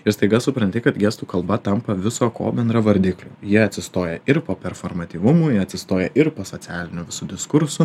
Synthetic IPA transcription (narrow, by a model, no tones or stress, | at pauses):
ɪɾst̪ɐɪɡɐsʊpɾɐnʲt̪ʲɪkɐt̪ɡʲiːst̪uːkɐlˠbɐt̪ɐmpɐʋʲɪsoːko̰ːbʲɛnd̪ɾɐʋɐɾʲd̪ʲɪklʲoːjiɛɐt̪ʲsʲɪst̪oːjɛʔɪɾpoːpʲɛrfoːɾmɐt̪ʲiːʋʊmʊjiɐt̪ʲsʲɪst̪oːjɛʔɪɾpoːsoːtt͡s̪ʲɪæːlʲɪnʲʊːʋʲɪsud̪ʲɪskʊɾsʊ